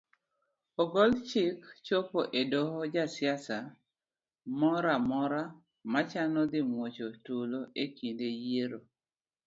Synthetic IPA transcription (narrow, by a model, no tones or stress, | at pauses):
ɔɡɔlt͡ʃɪkt͡ʃopoʔedɔhɔd͡ʒasjasa | mɔɾamɔɾa | mat͡ʃanɔd̪ɪmwot͡ʃotuloʔekindejeɾo